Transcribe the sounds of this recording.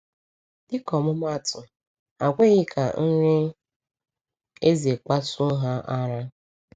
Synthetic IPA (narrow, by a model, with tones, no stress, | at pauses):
dɪ˦kɔ˨mʊ˦ma˦˨tʊ˨ | a˨ɡʷe˦ɣɪ˦kʰa˨n̩˦ɾe˦ | e˦ze˨k͡pa˦sʊ˦ɦa˦ʔa˦ɾa˦